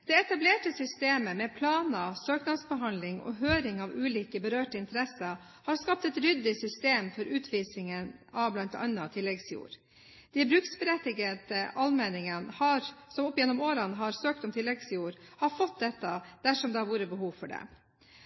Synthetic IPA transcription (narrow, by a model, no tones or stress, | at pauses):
d̪̥ɛɛt̪ɑbleːʈəsʏst̪eːməmɛpʰlɑːnɑsøːknɑsbəɦɑnd̪lɪŋɔ̰ɦøːɾɪŋɑʋʉːliːkəbəɾøːʈəɪnt̪ʰɾɛsə | hɑɾskɑp̚t̪ɛt̪ɾʏd̪ɪsʏst̪eːmfɔɾʉːt̪ʰʋiːsɪŋənɑʋblɑnt̪ɑ̰nɑt̪ʰɪlːɛɡsjṵːɾ | d̪̥ɪbɾʉːksbəɾɛt̪ːɪɡət̪əʔɑlmɛnɪŋənhɑɾsɔmɔpːjɛnːɔmoːɾɑnɦɑɾsøːk̚t̪ɔmt̪ʰɪlːɛɡsjuːɾhɑɾfɔt̪̚d̪ɛt̪ːəd̪̥æʂɔmd̪ɛhɑɾʋuːɾəbəɦuːʋfɔɖɛ̰ː